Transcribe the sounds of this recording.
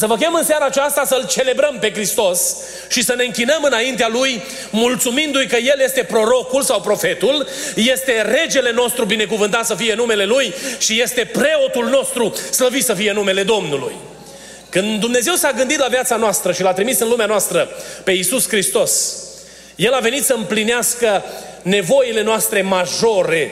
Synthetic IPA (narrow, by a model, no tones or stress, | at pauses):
səvəkʲeəmɨnsaɾaːt͡ʃast̪asəlt͡ʃe̞le̞bɾəmpe̞kɾist̪o̞s | ʃisəne̞ɨŋkʲinəmɨnaint̪ealuj | mult̪sumind̪ujkəje̞lje̞st̪e̞pɾo̞ɾo̞kulsawpɾo̞fe̞t̪ulje̞st̪e̞re̞d͡ʒe̞le̞no̞st̪ɾubine̞kuvɨnt̪at̪səfije̞nume̞le̞lujʃije̞st̪e̞pɾe̞o̞t̪ulno̞st̪ɾusləvit̪səfijenume̞le̞d̪o̞mnulṵj | kɨnd̪umne̞ze̞wsaɡɨnd̪it̪lavjat̪sanoast̪ɾəʃilat̪ɾimisɨnlumeanoast̪ɾəpe̞isuskɾist̪o̞s | je̞lave̞nit̪səɨmplineaskəne̞vo̞ile̞noast̪ɾe̞maʒo̞ɾe̞